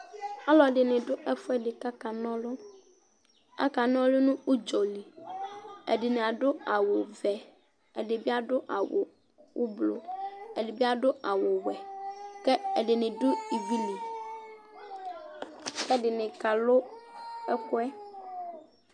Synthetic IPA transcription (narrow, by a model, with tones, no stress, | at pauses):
a˦lɔ˨ɖɪ˨nɪ̃˨ɖʊ˦ʔɛ˦fʊ˦ɛ˦ɖɪ˨ka˦ka˨nɔ̃˦lɔ˦ | a̰˦ka˨n˦ɔ̃˦lʊ˦nũ˦u˦d͡ʒɔ˨li˨ | ɛ̰˨ɖɪ˨nẽ˨a˨ɖʊ˦a˨wo˨vɛ˨ | ɛ˨ɖɪ˨bi˦a˦ɖʊ˦ʔa˨wo̰˨ | wo˦blo̰˨ɛ˨dɪ˨bi˦a˦ɖʊ˦a˨wʊ˨wɛ˨kɛ˦ɛ˨ɖɪ˨nɪ̃˨dʊ˦i˨bi˦li˨ | kɛ˦ɖɪ˨nɪ̃˨ka˨lʊ˦ɛ˦kʊ˦ɛ˦